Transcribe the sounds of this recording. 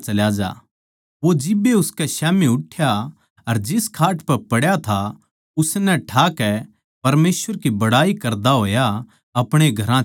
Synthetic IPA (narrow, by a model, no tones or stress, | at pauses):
t͡ʃɐljad͡ʒa̰ː | ʋod͡ʒɪbːeʊskɛʃɛːmiʊʈʰːja | ɐɾd͡ʒɪskʰaːʈpɛpɐɽjat̪ʰa | ʊsnɛ̃ʈʰaːkɛ | pɐɾmeːsʋəɾkibɐɽaːikɐɾd̪aɦoːja | ɐpɽ̃eɡʱɐɾã